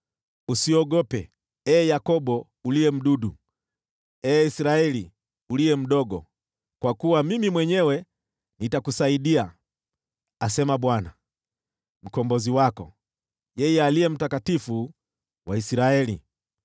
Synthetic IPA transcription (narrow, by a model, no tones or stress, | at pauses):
usiɔɡɔpɛ | ɛːjakɔɓɔ | uliɛm̩ɗuɗu | ɛːisiɾaɛli | uliɛm̩ɗɔɡɔ̰ | kwakuwamimimwɛɲɛwɛ | nitakusaiɗia | asɛmaɓwana | m̩kɔmbɔziwakɔ | jɛjɛaliɛm̩takatifu | waisiɾaɛlḭ